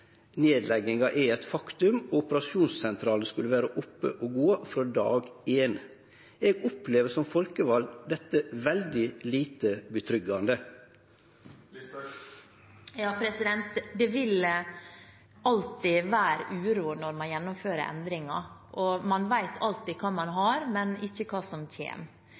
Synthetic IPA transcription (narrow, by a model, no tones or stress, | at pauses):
neːd̪lɛɡɪŋɑʔɛɛt̪fɑkt̪ʉmoːʊpəɾɑʃuːnssɛnt̪ʰɾɑːlnskʉləʋæːɾəʔɔpːə̰ʔoːɡuːɑfɾod̪ɑ̰ːɡeːn | eːɡɔpleːʋəsɔmfɔlkəʋɑld̪d̪ɛt̪ːəʋɛld̪ɪliːt̪əbət̪ʰɾʏɡɑnd̪ə | jɑːpʰɾɛsɪd̪ɛnt̪d̪ɛʋɪl | ɑlt̪ɪʋæːɾəʔʉːɾuːnɔɾmɑnjɛnːʊmføːɾəɾɛ̰nd̪ɾɪŋɑ̰ʔɔmɑnʋæɪt̪ʰɑlt̪ɪːkʰɑːmɑnɦɑɾmɛnɪçːəkʰɑːsɔmçʰḛːm